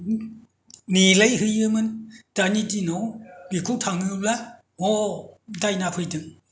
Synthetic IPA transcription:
nilejhɯjɯmɯntanitinɔwbikʰut̪ʰaŋɯlɛ | ɔdajnapʰɯjdɯŋ

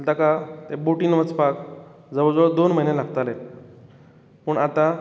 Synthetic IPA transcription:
lt̪akat̪eboʈinʋət͡spak | d͡zəʋəd͡zəd̪onm̤əɦinelaɡt̪ale | pəɳat̪a

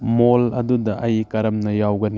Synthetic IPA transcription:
molɐdudɐʔɐjkɐɾɐmnɐjawɡɐni

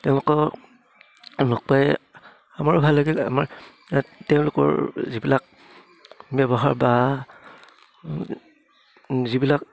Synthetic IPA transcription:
tɛʊ̃lʊkɔ | nɔk̚paj | amaɹʊbʱalːaɡila̰maɹ | tɛʊ̃lʊkɔ̰ɹzibilak̚ | bɛbɔɦaɹba | zibilak̚

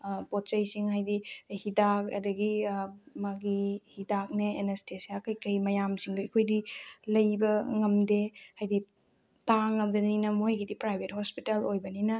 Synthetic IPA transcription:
pot̚t͡ʃɐjsiŋɦajdihidak̚ɐ̰dɐɡimɐɡihidak̚neenestʰesiaakɐjkɐjmɐjamsiŋdoikʰojdilɐjbɐŋɐmdehajdi | taŋɐmɡɐninɐmojɡidipɾajbʱet̚hospitelojbɐninɐ

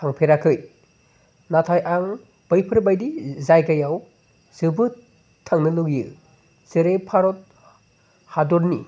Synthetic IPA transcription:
aŋpʰeɾakʰɯj | natʰajʔaŋ | b̥ɯjpʰɯɾbajdizajɡajaw | z̥ɯbɯ | tʰːaŋnɯluɡjɯ | zɯɾepʰaɾɔt̚ | hadɔɾnḭ

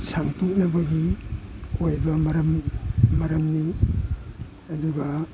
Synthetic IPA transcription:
saŋtuk̚nɐbɐɡi | ojbɐmɐɾɐmmɐɾɐmni | ɐduɡa

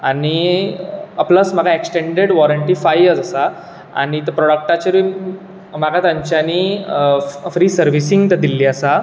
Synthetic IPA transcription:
ani | pləsm̤aɡaeksʈeɳɖeɽʋɔɾəɳʈifajəd͡zəsa | a̰ɽ̃it̪əpɾɔɽək̚ʈat͡ɕeɾi | maɡat̪jãɲt͡ɕjani | fɾiːsəɾʋisĩŋɡt̪əɾd̪ilːiːəsa

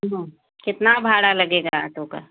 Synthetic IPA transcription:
ɦã | kɪt̪nabʱaːɽalɐɡeːɡaə̰t̪oka̰

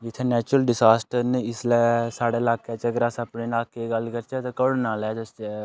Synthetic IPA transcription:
d͡ʒɪt̪ʰːeːnɛːt͡ʃɾəlɖɪsaːsʈəɾnɪslɛsaːɽeɪlaːket͡ʃəɡɾaːsəpnenaːkeɡəlkəɾt͡ʃɛt̪ːkəɽnaːlɛd͡ʒəsɛ

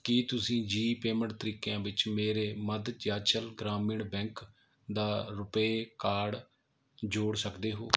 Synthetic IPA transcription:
kiːt̪ʊsĩːd͡ʒiːpeːmə̃ɳʈt̪əɾiːkejãːʋɪt͡ʃmeːɾeːməd̪d͡ʒjaːt͡ʃəlɡɾaːmɪɳbɛ̃ːŋk | d̪aːɾʊpeːkaːɽ | d͡ʒoːɽsəkd̪eːɦoː

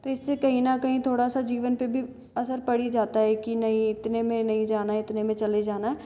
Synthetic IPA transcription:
t̪oɪsːekɐɦĩnakɐɦĩt̪ʰoːɽasad͡ʒiːʋənpebʱi | ɐsəɾpɐɽid͡ʒaːt̪aɦɛkinɐɦĩɪt̪nemẽnɐɦĩd͡ʒaːnaɪt̪nemẽt͡ʃɐled͡ʒaːnaɦɛ

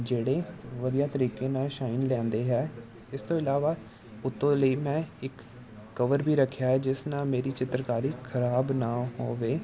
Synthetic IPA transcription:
d͡ʒeːɽeːʋəd̪ijaːt̪əɾiːkeːnaːʃaːɪnlɛ̃ːnd̪eːɦɛː | ɪst̪õːɪlaːʋaː | ʊt̪ːõːləiːmɛ̃ːɪkː | əʋəɾbiːɾəkʰːjaːɦɛːd͡ʒɪsnãːmeːɾiːt͡ʃɪt̪ɾkaːɾiːkʰəɾaːbnaːɦo̰ːʋeː

